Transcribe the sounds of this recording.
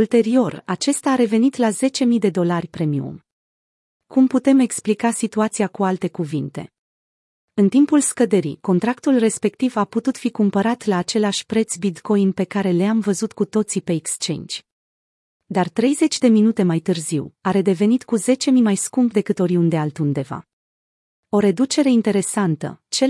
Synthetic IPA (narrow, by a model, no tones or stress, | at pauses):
ult̪e̞ɾio̞rat͡ʃe̞st̪aːɾe̞ve̞nit̪laze̞t͡ʃe̞mid̪e̞d̪o̞larʲpɾe̞miṵm | kumput̪e̞me̞ksplikasit̪uat̪siakualt̪e̞kuvint̪e̞̰ | ɨnt̪impulskəd̪eɾḭko̞nt̪ɾakt̪ulre̞spe̞k̚t̪ivaput̪ut̪fikumpəɾat̪laːt͡ʃe̞leaʃʲpɾe̞t̪sbit̪ko̞inpe̞kaɾe̞leamvəzut̪kut̪o̞t̪sipe̞ːkst͡ʃe̞̰nd͡ʒʲ | d̪art̪ɾe̞jze̞t͡ʃʲd̪e̞minut̪e̞majt̪ɨrziwaɾe̞d̪e̞ve̞nit̪kuze̞t͡ʃe̞mimajskumpd̪e̞kɨt̪o̞ɾiund̪ealt̪und̪e̞va̰ | o̞ɾe̞d̪ut͡ʃe̞ɾe̞int̪e̞ɾe̞sant̪ə̰t͡ʃe̞